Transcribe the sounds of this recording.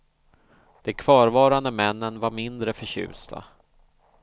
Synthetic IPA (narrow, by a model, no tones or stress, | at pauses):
d̪̥ɛkʰv̥ɑːɾvɑːɾand̪əmɛnːənvaɾmɪnd̪ɾəfœɕʉ̟̰ːst̪ʰa̰